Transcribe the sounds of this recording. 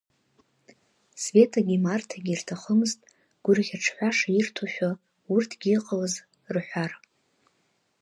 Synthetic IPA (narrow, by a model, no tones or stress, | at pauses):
sve̞tʰaɡʲimartʰaɡʲirtʰaχəmɨztʼ | ɡ̥ʷʊrʁʲaʈ͡ʂʰħʷaʂairtʰoʃᶣa | urtʰɡ̥ʲiiqʼaləz | rħʷᶣar